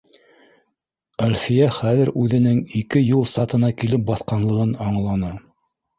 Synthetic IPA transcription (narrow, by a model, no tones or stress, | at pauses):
ælʲfijæχæðɘɾʉðɘ̆nɘŋikɘjulˠsɑt̪ɤ̆nɑkilɘp̚bɑθqɑnlˠɤ̆ʁɤnɑɴlˠɑnɑ